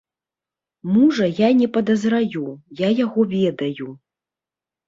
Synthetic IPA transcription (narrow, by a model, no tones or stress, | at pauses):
muʐɐjanʲɛpɐd̪ɐzɾajujajaɣɔvʲɛd̪ɐju